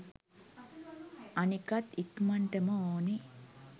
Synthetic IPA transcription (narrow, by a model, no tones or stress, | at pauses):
ɐnikɐt̪ikmɐɳʈemooːni